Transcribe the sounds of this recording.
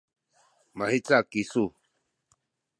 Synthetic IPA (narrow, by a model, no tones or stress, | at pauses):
mahit͡sakisu